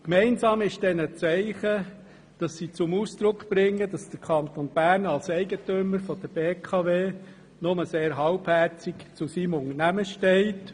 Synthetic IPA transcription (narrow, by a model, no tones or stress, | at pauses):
kmɛɪnsɑːmɪʃd̥ɛnət͡sɛɪχə | d̥ɑsːit͡sʊmuːsd̥ɾʊkb̥ɾɪŋːəd̥ɑsd̥əɾkʰɑnt̪onb̥æːɾnɑlsɛɪɡətʏməɾfɔd̥əb̥eːkʰɑʋeː | nʊməseːɾɦɑʊbhɛɾt͡sikt͡sʊsiːmʊŋənæməʃtɛɪt